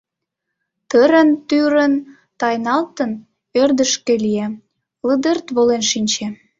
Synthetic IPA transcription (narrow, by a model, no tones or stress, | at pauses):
t̪əɾə̆nt̪yɾə̆n | t̪ɑjnɑlt̪ən | ørd̪ə̆ʃkelije | ləd̪ərt̪βolenʃinʲt͡ɕe